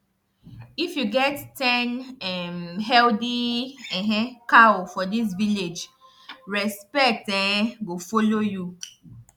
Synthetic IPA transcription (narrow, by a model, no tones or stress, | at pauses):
ifjuɡɛttɛ̃nɛmɦɛldiɛɦɛ̃kafɔdis̬viled͡ʒ | ɹɛspɛk̚tɛ̃ɡofoloju